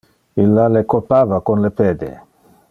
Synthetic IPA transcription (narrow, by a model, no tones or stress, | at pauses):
ilːalekopaːvakonlepeːd̪ḛ